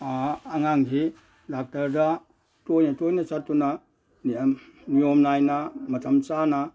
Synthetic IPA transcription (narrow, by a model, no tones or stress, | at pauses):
ŋaŋɦi | dak̚tɐɾda | tojnɐtojnat͡ʃatːuna | niamnijomnajnamɐtʰɐmt͡ʃana